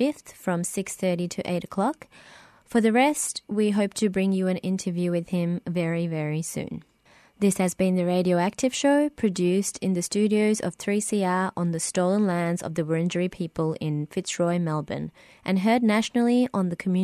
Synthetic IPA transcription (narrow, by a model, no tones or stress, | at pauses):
ɪfθfɹʌ̃msɪksθɜ˞ɾiɾɨʔḛɪɾɨkʰl̥ɑk | fə˞ðɨɹɛst̚wiɦoʊp̚tʰɨbɹɪ̃ŋjɨɨ̃nɪ̃ntʰəvjʉwɨð̥ɪ̃ɱvɛɹivɛɹisʉ̰̃n | ðɪshɨzbɨ̃nðɨɹeɪɾioʊæk̚tʰɨv̥ʃoʊpʰɹ̥ɨdʉstʰɨ̃nðɨstʉɾioʊzʌ̰v̥θɹisiɑɹə̃nðɨstoʊlˠə̃nlæ̃ndzʌ̰vðɨwə˞ɪ̃nd͡ʒə˞ipʰipəlˠɪ̃nfɪtsɹɔɪmɛlˠbɨ̰̃n | ʔɨ̃nɦɜ˞dⁿnæʃnl̩ˠiʔə̃nðɨkʰəmjʉ